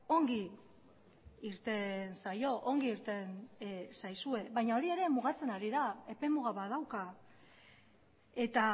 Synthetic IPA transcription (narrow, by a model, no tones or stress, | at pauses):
o̞ŋɡi | ɾt̪e̞nsajo̞ʔoŋɡiiɾt̪e̞nsajsue̞βajɲao̞ɾie̞ɾe̞muɣ̞at͡se̞naɾiðae̞pe̞muɣaβað̞awka | e̞t̪a